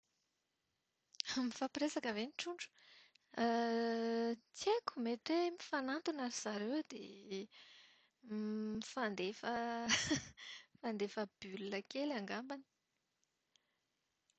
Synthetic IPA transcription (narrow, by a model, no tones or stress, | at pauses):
amifapiɾesakəveniʈ͡ʂuɳɖ͡ʐu̥ | ə | t͡sieku̥meʈ͡ʂemifanant̪unaɾiz̥aɾewd̪ḛ | mifand̪efə | fand̪efəb̥ylnəkelaŋɡambani̥